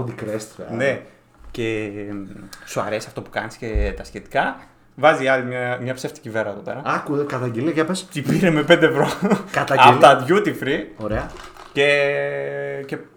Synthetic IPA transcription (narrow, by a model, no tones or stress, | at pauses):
od̪ikɾest̪ɐ̰ne | ce | soɐ̰ɾesɐft̪o̞pu̥kɐniscet̪ɐsçet̪i̥kɐ | vɐziɐlimɐmɲɐpseft̪i̥civeɾɐeðope̞ɾɐɐkukɐt̪ɐɟeliɐʝɐpest̪ipiɾemepend̪eevɾo̞kɐt̪ɐɐɐðʝut̪ifɾioɾeɐ | ce | ce